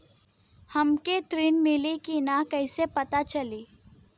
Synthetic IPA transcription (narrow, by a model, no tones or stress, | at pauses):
hɐmket̪ɾinmɪlikinakɐsepɐt̪at͡ʃɐliː